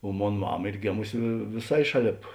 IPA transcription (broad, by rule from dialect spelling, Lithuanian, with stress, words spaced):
oː ˈmoːn ˈmɑːmɐ ˈiːr ˈɡʲeːmʊsʲɪ ʋʲeː ʋʲeːˈsɐɪ ˈʃɑːˌlʲeːp